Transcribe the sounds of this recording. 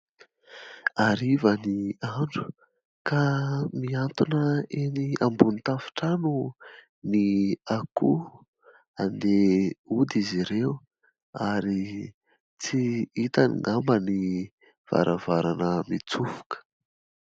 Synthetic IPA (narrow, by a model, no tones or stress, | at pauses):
aɾivəniaɳɖ͡ʐu̥ | kamiant̪unəeniambunit̪afi̥ʈ͡ʂanu | niaku | and̪eud̪iziɾeu | aɾi | t͡siit̪anḭŋambəni | v̥a̰ɾʔəvaɾanəmit͡suvu̥kə̥